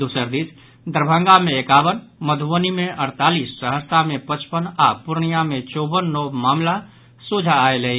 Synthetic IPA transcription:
d̪usəɾd̪is | d̪əɾbʱə̃ŋɡameekaʋənməd̪ʱuʋənimeʔəɾt̪alissəɦəst̪amepət͡ʃpənapuɾɳijamet͡ʃɔbənːɔmaːmla | sud͡ʒʱaːeləɦi

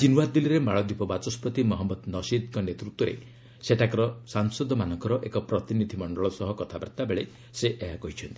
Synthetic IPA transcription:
d͡ʒinwad̪iliɾemaɭɔd̪ipɔbat͡ʃɔspɔt̪imɔɦɔmːɔd̪nɔsid̪kɔnet̪ɾut̪wɔɾḛ | seʈʰakɔɾɔsaŋsɔd̪ɔmanɔŋkɔɾɔʔekɔpɾɔt̪inid̪ʱimɔɳɖɔɭɔsɔɦɔkɔt̪ʰaba̰ɾt̪abeɭe | seʔeɦakɔɦit͡ʃʰɔnt̪i̥

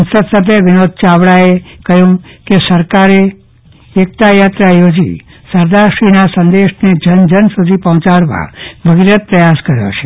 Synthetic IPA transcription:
nsəd̪sət̪eʋɪnod̪̚t͡ʃaʋɽaekəjũkesəɾkaɾeː | k̚t̪ajat̪ɾajod͡ʒḭsəɾd̪aɾʃinasə̃nd̪eʃned͡ʒənd͡ʒənsud̪ʱipəɦɔ̃t͡ʃaɭʋa̰bʱəɡiɾət̪̚pɾəjaskəɾjo̰t͡ʃʰe̥

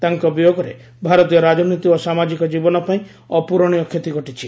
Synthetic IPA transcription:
t̪aŋkɔbijoɡɔɾḛ | bʱaɾɔt̪ijɔɾad͡ʒɔnit̪iosamad͡ʒikɔd͡ʒibɔnɔpaĩ | ɔpuɾɔɽ̃iɔkʰjet̪iɡɔʈit͡ʃʰi

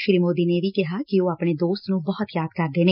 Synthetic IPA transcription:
ʃɾiːmoːd̪iːneːʋiːkɪɦaːkioːaːpɳeːd̪oːst̪nũːbɔɦʊt̪jaːd̪kəɾd̪eːneː

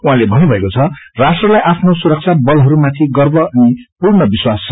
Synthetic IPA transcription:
uɦãlebʱʌnːubʱʌekot͡sʰʌrasʈrʌlajʔapʰnosuɾʌk̚t͡sʰabʌlɦʌɾumat̪ʰiɡʌrbʌʌnipurnʌbiswast͡sʰʌ

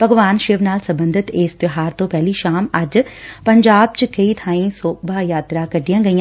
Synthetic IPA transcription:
pɐɡʋaːnʃɪʋnaːlsɐ̃mbə̃nd̪ʱɪt̪eːsbɪɦaːɾt̪õːpɛːliːʃaːmɐd͡ʒpəɲd͡ʒaːb̚t͡ʃkɐiːt̪ʰaːĩsoːk̚baːjaːt̪ɾaːkɐɖijãːɡəĩːã

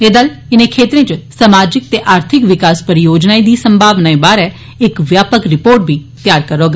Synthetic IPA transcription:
eːd̪əlɪnẽːkʰeːt̪ɾẽːt͡ʃsəmaːd͡ʒɪk̚t̪eːʔaːɾt̪ʰɪkʋɪkaːspəɾɪjoːd͡ʒnaːiːd̪iːsəmbʱaːʋnaːĩːbaːɾɛː | ɪkʋjaːpəkɾɪpoːɾʈ̚bʱiː | t̪jaːɾkəɾoːɡa

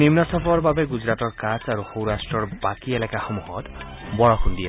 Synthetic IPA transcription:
nimnʌsʌpʰɔɾbabeɡud͡zɾat̪ɔrkat͡saɾuhowɾasʈrʌrbakielakahʌmuhɔt̪ | bɔɽɔkʰund̪ije

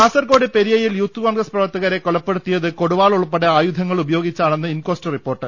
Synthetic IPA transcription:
aːsɐrko̞ːɽipeɾijɐjiljuːt̪ːukoːnɡrɐsprɐʋɐrt̪ːɐɣɐɾe̞kːoɭɐpːeɽut̪ːijɐðɨko̞ɽuʋaːɭoɭupːɐɽeaːjud̪ʱɐŋːɐɭubɐjo̞ːɡit͡ɕːaːɭenːɨinko̞ːstɐripːo̞ːrʈːɨ

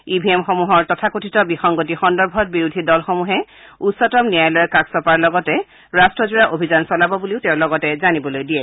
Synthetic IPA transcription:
ibʱiɛmxomuɦɔɹtɔtʰakotʰitɔbixɔŋɡotixɔndɔɹbʱɔt̚biɹudʱidɔlxomuɦɛ | utsɔtɔmnijajlɔɛkaksɔpaɹlɔɡɔtɛ | ɹastɹɔzuɹaʔobʱizansɔlabɔbuliʊtɛʊ̃lɔɡɔtɛzanibɔlojdiɛ

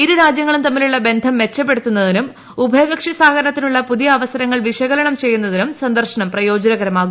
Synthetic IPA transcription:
iɾuɾaːd͡ʑjɐŋːɐɭumt̪ɐmːiluɭːɐbe̞nd̪ʱɐmʋe̞t͡ɕːɐp̬ːe̞ɽut̪ːunːɐðinum | ubʱɐjɣɐkʂisaːɡɐɾɐɳɐt̪ːinuɭːɐpuðijɐːʋɐsɐɾɐŋːɐɭʋiʂɐɣɐlɐɳɐmt͡ɕe̞jːunːɐðinumsɐnd̪ɐrʂɐɳɐmprɐjo̞ːd͡ʑɐnɐɣɐɾɐmaːɣu

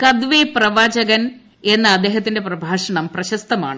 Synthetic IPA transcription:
kɐd̪ʋeːprɐʋaːd͡ʑɐɣɐn | e̞nːɐɐd̪ːe̞ːɦɐt̪̬ːinde̞prɐbʱaːʂɐɳɐmprɐɕɐst̪ɐma̰ːɳɨ

